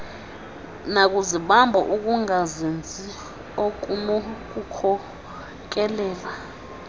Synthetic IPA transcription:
nak̬ʼuziɓambʱɔ̰ʔuk̬ʼuŋazend͡zʱi | ok̬ʼunɔk̬ʼukʰɔ | k̬ʼɛlɛːla

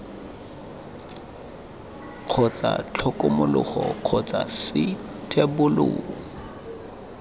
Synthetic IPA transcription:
q͡χʰɔt͡sʼa̰t͡ɬʰɔkʼʊmʊlʊχɔq͡χʰɔt͡sʼasɪ | tʰebʊlʊ̰ːŋ

